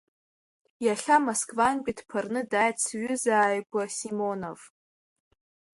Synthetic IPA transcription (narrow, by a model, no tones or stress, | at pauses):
jaχʲamoskvanɡʲʷʼidpʰarnɨdajt͡sʰɥʏzaːjɡʷasimo̞no̞v